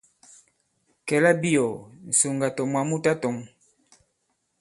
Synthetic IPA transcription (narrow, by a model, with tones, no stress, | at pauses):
kɛ˨la˦bi˦ɔ˨n̩˨su˨ŋɡa˨tɔ˨mwa˨mu˦ta˦tɔ˨˦ŋ